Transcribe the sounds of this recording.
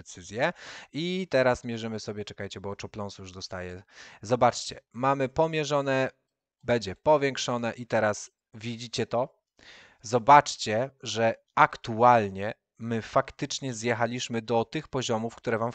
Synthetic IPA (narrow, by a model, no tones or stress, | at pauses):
sɘzʲjɛit̪ɛɾasmʲjɛʐɛmɘsɔbʲjɛt͡ʂɛkajt͡ɕɛbɔt͡ʂɔplɔnsjuʐd̪ɔst̪ajɛzɔbat͡ʂt͡ɕɛmamɘpɔmʲjɛʐɔnɛ | bɛɲd͡ʑɛpɔvʲjɛŋkʂɔn̪ɛʔit̪ɛɾas | vʲid͡ʑit͡ɕɛt̪ɔ | zɔbat͡ʂt͡ɕɛʐɛ | akt̪ualɲɛ | mɘfakt̪ɘt͡ʂɲɛzjɛxalʲiɕmɘd̪ɔt̪ɘxpɔʑɔmufkt̪uɾɛvam